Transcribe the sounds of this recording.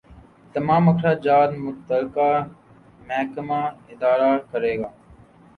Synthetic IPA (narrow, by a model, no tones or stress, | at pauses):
t̪əmãːməkʰɾaːd͡ʒaːɾmʊt̪əlkaː | məɦkəmaːɪd̪aːɾaːkəɾeːɡaː